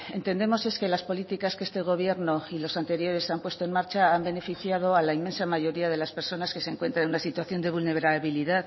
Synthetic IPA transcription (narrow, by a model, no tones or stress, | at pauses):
e̞nt̪e̞nd̪e̞mo̞se̞ske̞laspo̞lit̪ikaskest̪e̞ɣ̞o̞β̞je̞ɾno̞ilo̞sant̪e̞ɾjo̞ɾe̞sampwe̞st̪oenmaɾt͡ʃaambe̞ne̞fiθjað̞o̞alaime̞nsamaʝo̞ɾiaðe̞laspe̞ɾso̞naskeseŋkwe̞nt̪ɾannunasit̪waθjo̞nd̪e̞β̞ulne̞βɾaβiliðað